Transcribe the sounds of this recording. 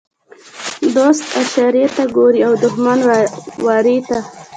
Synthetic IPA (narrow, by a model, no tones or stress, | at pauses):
d̪ost̪aʃɑɾiet̪aɡoɾiawd̪ʊxmanwɑɾit̪a